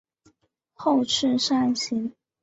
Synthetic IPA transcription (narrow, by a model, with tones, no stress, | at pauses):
xo˥˧ʊʈ͡ʂʰɻ̩˥˧ʂa˥˩nɕi˧˥n